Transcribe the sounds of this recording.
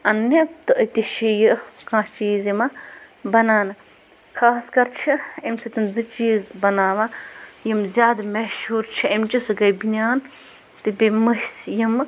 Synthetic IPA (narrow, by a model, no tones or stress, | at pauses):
ɐnːɐt̪ɨʔɐt̪ʲiʃijɨkãːt͡ʃiːzimɐbɐnaːnɨ | kʰaːskɐɾt͡ʃʰiimsɐt̪inzɨt͡ʃiːzbɐnaːʋɐjimzʲjaːd̪mɐʃhuːɾt͡ʃʰiɐmt͡ʃisɨɡɐjbinʲaːn | t̪ɨbʲimɐhʲsjim